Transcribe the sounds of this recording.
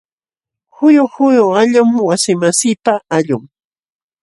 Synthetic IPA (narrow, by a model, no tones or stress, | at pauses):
xʊjʊhʊjʊaʎʊmwasɪmasɪːpaaʎʊŋ